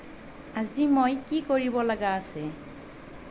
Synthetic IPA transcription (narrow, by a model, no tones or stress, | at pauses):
azimojkikoɹibɔlaɡaːsɛ